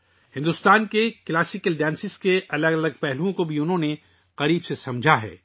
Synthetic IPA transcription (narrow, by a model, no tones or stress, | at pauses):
hɪ̃nd̪ʊst̪aːnkeklaːsɪkəlɖɛ̃ːnsɪskeʔɐləɡɐləɡ̚pɛɦluõkobʱiʊnɦõne | qɐɾiːbsesɐ̃md͡ʒʱaɦɛ̰ː